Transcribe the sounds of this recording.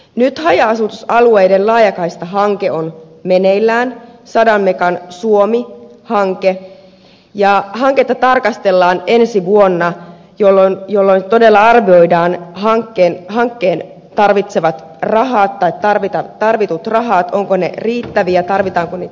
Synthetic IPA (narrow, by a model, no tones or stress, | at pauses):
nyt̪hɑjɑːsut̪usɑluejdenlɑːjɑkɑist̪ɑɦɑŋkeo̞n | meneilːæːnsɑdɑmmekɑnsuomihɑŋke | jɑɦɑŋket̪ːɑt̪ɑrkɑst̪e̞lːɑːne̞nsiʋuonːɑ | jolːonjolːont̪o̞delːɑɑrʋio̞idɑːnɦɑŋkːeːnhɑŋkːeːn | t̪ɑrʋit̪se̞ʋɑt̪ | rɑɦɑːt̪ːɑit̪ːɑrʋit̪ɑt̪ɑrʋit̪ut̪rɑɦɑːt̪o̞ŋkonḛriːt̪ːæʋiæt̪ɑrʋit̪ɑːŋkunniːt̪